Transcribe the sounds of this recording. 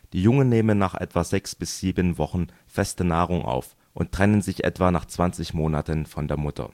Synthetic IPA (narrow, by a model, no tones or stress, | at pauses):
d̥iːjʊŋənːeːmənːaːχʔɛ̰tv̥azɛksb̥ɪsz̥iːbənvɔχn̩ | fɛstənaːʁ̞ʊŋʔa̰ʊf | ʔʊnttːʁ̥ɛnənzɪçʔɛ̰tv̥aːnaːχt͡sv̥ant͡sɪçmoːnatənfɔndeːɐmʊtʰɐ̰